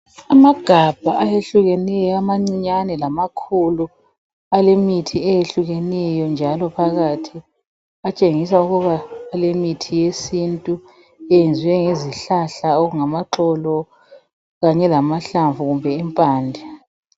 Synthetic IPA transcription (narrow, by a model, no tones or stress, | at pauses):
amaɡ̥ʱab̥ʱaʔajeɬuɣɛnɛjɔamaŋ͡ǀiɲanɛlamakʰulu | alemitʰiɛjeɬuɣɛnɛjɔnd͡ʒʱalɔpʰaɣatʰi | at͡ʃʼeŋisauɣɔβaːlemitʰijesintʼu | ɛjend͡zʱiwɛŋeziɬaɬaoɣuŋamaǁɔlɔ | ɣaɲɛlamaɬaɱvuɣumbʱɛimpʼaːndʱɛ